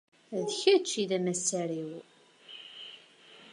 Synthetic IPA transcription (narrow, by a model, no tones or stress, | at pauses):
ðəçæt͡ʃːiðæmæsæɾiw